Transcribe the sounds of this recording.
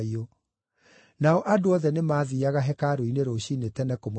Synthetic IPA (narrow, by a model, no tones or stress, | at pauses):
io | naɔʔadoɔðɛnemaːðiaɣaɦɛkaɾoineɾoɕinetɛnɛkomo